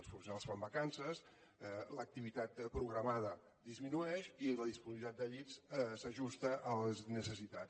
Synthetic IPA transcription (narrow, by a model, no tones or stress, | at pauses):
sfunsualˠsfambəkansəs | lək̚t̪iβit̪at̪pɾuɣɾəmaðə | d̪izminuɛʃiezləðispuziβit̪at̪̚d̪əʎissəʒust̪əʔələznəsəsit̪at͡s